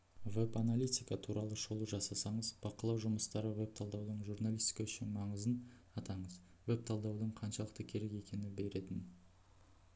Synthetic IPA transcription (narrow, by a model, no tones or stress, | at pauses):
ve̞panalʲˠijt̪ʲijkɑt̪ʰuɾɑlˠəʒolˠəʒɑsɑsɑɴəzb̥ɑqəlˠɑwʒʊməst̪ɑɾəwe̞p̚t̪ʰɑlˠd̪ɑwd̪əɴʒuɾnalˠist̪i̥kaʃɪmɑɴəzən | ɑt̪ɑɴəz | we̞p̚t̪ʰɑlˠd̪ɑwd̪əɴqʰɑnʃɑlˠəq̚t̪əkʲʰe̞ɾe̞ke̞kʲe̞nɪbe̞ɾe̞t̪ɪn